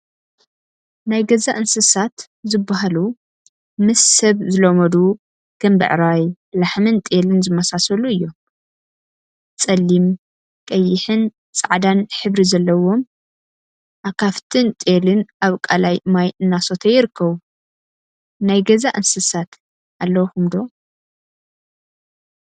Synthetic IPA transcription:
najɡɐzaʔɨnsɨsat̪ | zɨbːaɦalu | mɨsːɐβzɨlomɐd̪u | ɡ̥ɐmbɨ̰ʕɾaj | laħmɨnt̪ʼelɨnzɨmɐsasɐluɨjːo̞m | t͡sʼɐlːim | kʼɐjːɪħɨn | t͡sʼaʕd̪anħɨβɾizɐlːɐwo̞m | ʔakʰaft̪ʰɨnt̪ʼelɨnʔaβkʼalajmajɨnːaso̞t̪ʰɐjːɪɾɨkːɐβu | najɡɐzaʔɨnsɨsat̪ | ʔalːɐwxumd̪o̞

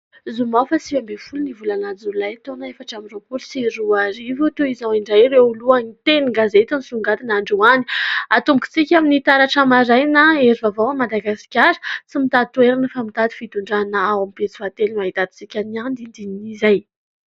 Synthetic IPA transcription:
zumafəsivambefulunivulanad͡zulajt̪onaefaʈ͡ʂamiropulsiɾuaɾivut̪oizawiɳɖ͡ʐajreuluanit̪eniŋɡazet̪anisuŋɡat̪inaɳɖ͡ʐuani̥at̪umbki̥t͡sikʲaminit̪aɾaʈ͡ʂamaɾajnaeɾivavawamad̪aɡasi̥kʲaɾə̥t͡simit̪at̪uweɾanəfamit̪ad̪i̥fit̪uɳɖ͡ʐanaawamipet͡si̥vat̪elimaɦit̪ad̪i̥t͡sikʲaniand̪ind̪inizaj

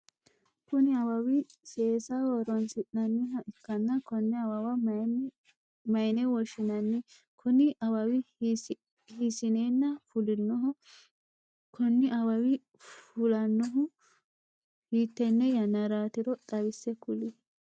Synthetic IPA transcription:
kʊnɪɐwɐwɪseːsɐwɔɾɔnsɪʔnɐnːɪhɐɪkːɐnːɐkɔnːɪɐwɐwɐ | mɐjɪnɛwɔʃɪnɐnːɪ | kʰʊnɪʔɐwɐwɪ | hisɪneːnːɐfʊlɪnːɔɦɔ | kʰɔnːɪʔɐwɐwɪ | fʊlɐnːɔɦʊ | hiːt̪ːɛnːɛjɐnːɐɾaːt̪ɪɾɔt̪ʼɐwɪsːɛkʊlɪ

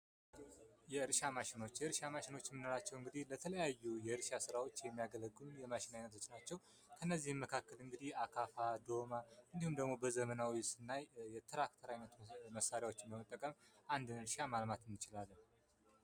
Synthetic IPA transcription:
jɛɨɾʃamaʃɪno̞t͡ʃːjɛɨɾʃamaʃɪno̞t͡ʃːmɨnoɾat͡ʃːɛwɨŋɡɨd̪ihlət̪ʰələjajːujɛɨɾʃasɨɾawo̞t͡ʃːjɛmːijaɡələɡːunjɛmaʃɪnajnːət̪ʰo̞t͡ʃːnat͡ʃːɛw | kʰənːəzːihmːəkʰakːəlɨŋɡɨd̪ihakʰafad̪o̞maʔɨnd̪ihumd̪əɡmo̞bəzəmənawisɨnːajɛt̪ʰɨɾakt̪ʰəɾajnət̪məsːaɾjawo̞t͡ʃːɪmbəmət̪ʼːəkʼəmʔand̪ɨnɨɾʃamalmat̪ɨnːɨt͡ʃɪlalːɨ

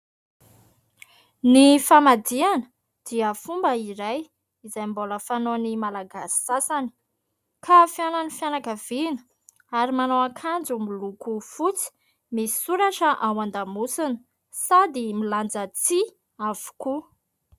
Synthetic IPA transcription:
nifamad̪ianə̥ | d̪̥iəfumbəiɾaj | izajmboləfanonimalaɡasi̥sasani̥ | kʰafjananifjanakəv̥inə̥ | aɾimanoakʰand͡zumilukufut͡si̥ | misi̥suɾaʈ͡ʂəʔawand̪amusinə̥ | sad̪imiland͡zat͡si | av̥u̥ku

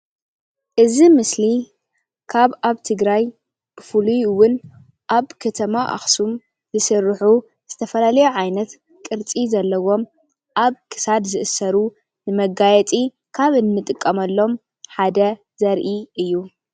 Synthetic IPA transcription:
ʔɨzimɨsli | kʰaβaβt̪ʰɨɡɾaj | b̥ɨfɨlujwʊn | ʔaβkʰɐt̪ʰɐmaʔa̰xsum | zɨsɨrːħu | z̥ɨt̪ʰɐfɐlalɐjuʕajnɐt̪ | kʼɨɾt͡sʼizɐlːɐwo̞m | ʔaβkʰɨ̥sad̪zɨʔɨsɐɾu | nɨmɐɡajɛt̪ʼi | kʰaβɨnmɨt̪ʼɨkʼːɐmɐlːo̞m | ħad̪ɐ | zɐɾʔiʔɨjːu

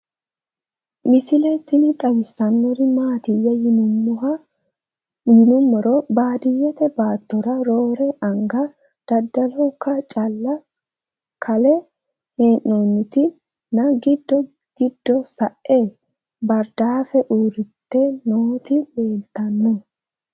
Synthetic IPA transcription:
mɪsɪlɛt̪ːɪnɪt̪ʼɐwɪsːɐnːɔɾɪmaːt̪ɪjːɛj | jɪnʊmːɔɾɔbaːd̪ɪjːɛt̪ɛbaːt̪ːɔɾɐɾoːɾɛʔɐŋɡɐ | d̪̥ɐd̪ːɐlɔkːɐt͡ʃʼɐlːɐ | kʰɐlɛ | heːnːoːnːɪt̪ɪ | nɐɡɪd̪ːɔ | ɡ̥ɪd̪ːɔsɐʔeː | bɐɾd̪aːfɛʔuːɾɪt̪ːɛnoːt̪ɪleːlt̪ɐnːɔ

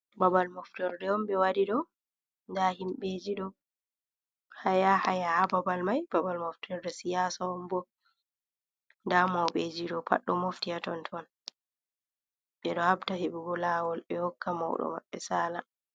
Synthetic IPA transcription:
babalmɔftɔɾdɛɔmbɛwaɾiɗɔ | ndahimɓed͡ʒiɗɔ | hajahajahababalmajbabalmɔftʰɔɾdɔsijaːsaɔmbɔ | ndamawɓed͡ʒiɗɔpʰa̰ɗːɔmoftijatɔntʰɔn | ɓɛɗɔhabtaheɓuɡɔlaːwɔlɓɛhɔkːama̰wɗɔ̰ma̰ɓːɛ̰saːla

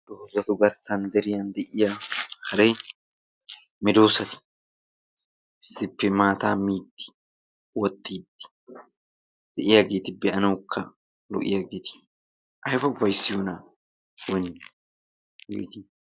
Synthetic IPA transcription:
d̪̥oːzɐt̪ʊɡɐɾsɐnd̪ɛɾɪjɐnd̪ɛʔɪjakɐɾej | mɪd̪oːsɐt̪ɪ̥ | ʔɪsːɪpːɛmaːt̪aːmiːt̪ːɪ̥ | wɔt̪ʼːiːd̪ɪ̥ | d̪̥ɛʔɪjɐɡeːt̪ɪbɛɐnɐwkʰːɐ | lɔ̰ʔɪ̰jɐɡeːt̪ɪ̥ | ʔɐjfɐʊbɐjsːɪjuna | wɔni | wḛːt̪i

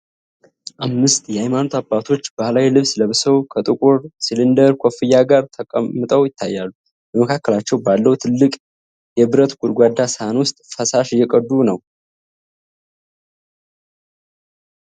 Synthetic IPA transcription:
ʔamːɨst̪ʼjɛhajmanot̪ʰabːat̪ʰo̞t͡ʃːb̥ahlawilɨβsləβsəwkʰət̪ʼɨkʼuɾsilɨnd̪əɾkʷʰofɨjːaɡaɾt̪ʰəkʼəmːɨt̪ʼəwjɪt̪ʰːajːalːu | bəməkʰakːəlat͡ʃːɛwbalːəwut̪ʰɨlːɨkʼ | jɛbɨɾət̪ɡ̥ud̪ɡʷad̪asəhanwʊst̪ʼfəsaʃɪjːɛkʼəd̪ːunəw

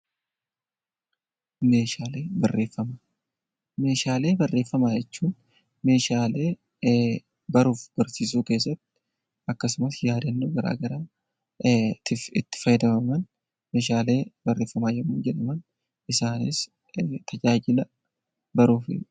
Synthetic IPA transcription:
me̞ːʃaːleːbɐrːe̞ːfːɐma | me̞ːʃaːle̞ːbɐrːe̞ːfːɐmaːjɛt͡ʃːuːn | me̞ːʃaːle̞ː | bɐɾuːfb̥ɐɾsiːsuːke̞ːsːɐt̪ːɪ̥ | ʔɐkːɐsʊmɐsjaːd̪ɐnːoːɡɐɾa̰ːɡɐɾaː | ɪɪt̪ːɪ̥fɐjd̪ɐmɐmɐn | me̞ːʃaːle̞ːbɐrːe̞ːfːɐmaːjɛmːuːnd͡ʒɛᶑɐmɐn | ɪsaːnḛs | t̪ʰɐd͡ʒaːd͡ʒɪlɐ | bɐɾuːfɪ̰

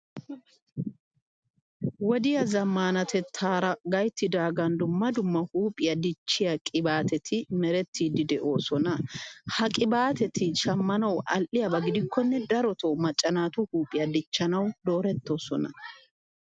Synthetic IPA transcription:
wɔd̪ɪjɐzɐmːaːnɐt̪ʰɛt̪ʰːaːɾɐɡɐjt̪ːɪd̪aːɡɐnd̪ʊmːɐd̪ʊmːɐhuːpʼɪjɐd̪ɪt͡ʃːɪjɐkʼɪbaːt̪ɛt̪ʰɪmɛɾɛt̪ʰːid̪ɪd̪ɛʔo̞ːsɔnɐhɐkʼɪbaːt̪ɛt̪ɪʃɐmːɐnɐwʔɐlʔɪjɐbɐɡɪd̪ɪkʰːɔnːɛd̪ɐɾɔt̪ʰɔmɐt͡ʃʼːɐnaːt̪ʊhuːpʼɪjɐd̪ɪt͡ʃːɐnɐwd̪o̞ːɾɛt̪ːo̞sɔnɐ

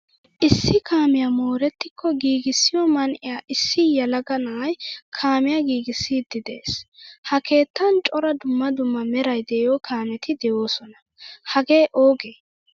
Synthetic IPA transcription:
ʔɪsːɪkʰaːmɪjamo̞ːɾɛt̪ːɪkʰːɔɡiːɡɪsːɪjɔmɐnʔɪjaːʔɪsːɪjɐlɐɡɐnɐɐjkʰaːmɪjaɡiːɡɪsːiːd̪ɪd̪e̞ːshɐke̞ːt̪ːɐnt͡ʃʼɔɾɐd̪ʊmːɐd̪ʊmːɐmɛɾɐjd̪ɛːjokʰaːmɛt̪ɪd̪ɛjo̞ːsɔnɐ | hɐɡe̞ːʔoːɡeː

